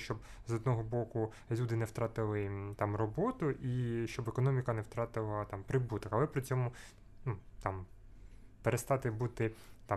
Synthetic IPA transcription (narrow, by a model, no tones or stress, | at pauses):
ʃt͡ʃɔbzɔd̪nɔɦɔbɔkʊ | lʲud̪ɪnɛwt̪ɾɑt̪ɪlˠɪt̪ɑmrɔbɔt̪ʊʔiʃt͡ʃɔbekɔnɔmʲɪkɐnɛwt̪ɾɑt̪ɪlˠɐt̪ɑmpɾɪbut̪ɔkɐlˠɛpɾɪt͡sʲɔmʊ | nut̪ɑm | peɾest̪ɑt̪ɪbut̪ɪt̪ɑ